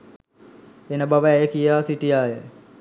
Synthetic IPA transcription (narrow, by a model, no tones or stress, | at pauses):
enəbaʋəɛjəkijaːsiʈijaːjə